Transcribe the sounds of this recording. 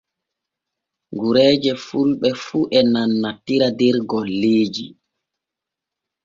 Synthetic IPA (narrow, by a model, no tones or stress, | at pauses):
ŋɡuɾɛːd͡ʒɛfulɓɛfuʔɛnanːatiɾadɛɾɡɔlːeːd͡ʒi